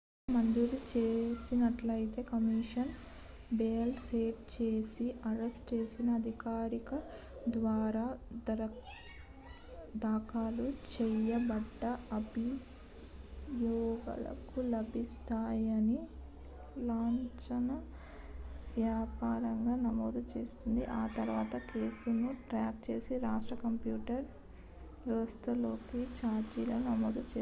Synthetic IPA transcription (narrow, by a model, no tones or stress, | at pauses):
mɐnd̪ulut͡ʃeːsinɐʈlɐjit̪e̞ːkɐmiʂɐn | beːɐlse̞ːpt͡ʃe̞ːsiʔɐɾesʈt͡ʃe̞ːsinɐːd̪ʱikaːɾikɐ | d̪ʋaːɾaː | d̪aːkaːlut͡ʃɛjɐbɐɖːɐɐbi | jɔːɡɐ̰lɐ̰kulɐbʱist̪aːjɐni | laːɲt͡ʃɐnɐ | ʋjaːpaːɾɐŋɡaːnɐmoːd̪ut͡ʃe̞ːst̪und̪ḭʔaːt̪ɐɾʋaːt̪ɐke̞ːsunuʈɾaːkt͡ʃe̞ːsiɾaːʂʈɾɐkɐmpjuːʈɐɾ | ʋɛʋɐst̪ɐlo̞ːkit͡ʃaːɾd͡ʒiloːnɐmoːd̪ut͡ʃeː